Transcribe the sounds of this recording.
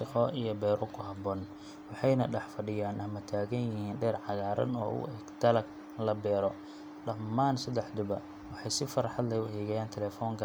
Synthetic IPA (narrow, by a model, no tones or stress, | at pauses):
ʃɪqɔijɞbɛːɾʔɔkʰʊɦɐbɔːn | wɑħɑjnɐɖɛħfɐɖɪjaːnʔɐmɐt̪ʰaːɣɐnjɪhiːnɖɛːrʕɑɣaːɾɐ̰nɔ̰ːʊ̰ʔɛɡt̪ʰɐlɐɡ | lɐbɛːɾɔ | ɖɐmːaːnsɐd̪ɛħd̪ʊbɐ̰ | wɑħɑjsɪfɐɾħɑd̪lɛjʊhɛːɣɐjaːnt̪ʰɛlɛːfɔːŋkʰɐ